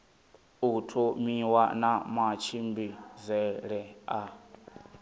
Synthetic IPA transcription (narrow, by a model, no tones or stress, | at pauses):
utʰɔmiwanamat͡ʃʰimbizɛɺɛa